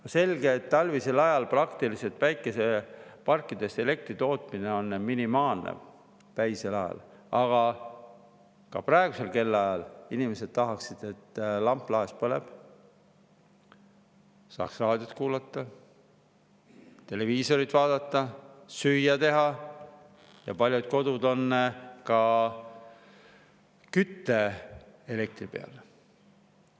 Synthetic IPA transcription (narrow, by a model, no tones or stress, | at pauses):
se̞lɡe̞ːt̪ːɑlvise̞lɑjɑlprɑkt̪ilise̞lt̪ˑvæjkːˑe̞se̞pɑrkːˑid̪̥e̞st̪e̞le̞k̚t̪rit̪o̞ːt̪mine̞o̞nːminimɑːlnḛ | pæjselɑjɑ̰lɑɡ̥ɑ | kɑ̰prɑeɡ̥use̞lke̞lːɑjɑlinime̞se̞d̪̥̚t̪ɑɦɑksid̪̥e̞t̪ːlɑmpːˑlɑespɤle̞̰b̥ | sɑ̰ːksrɑːd̪̥ʲjot̪ːˑkuːlɑt̪ːˑɑ | t̪e̞le̞viːso̞ɾit̪vɑːd̪̥ɑt̪ˑːɑsyjːɑt̪e̞ɦɑ | jɑ̰pɑlʲjud̪̥̚ko̞d̪ud̪o̞nːkɑ | kyt̪ːe̞ele̞k̚t̪ripe̞ɑ̰l